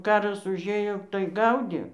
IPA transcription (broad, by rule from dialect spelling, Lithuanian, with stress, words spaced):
ˈkɑːrɐs ʊʒʲˈeːjoː tɐɪ ˈɡɐʊdʲeː